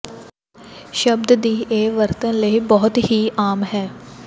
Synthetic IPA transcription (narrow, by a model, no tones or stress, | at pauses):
ʃəbd̪d̪iːʔeːʋəɾt̪ənləiːbɔːʊt̪ɦiːʔaːmɦɛː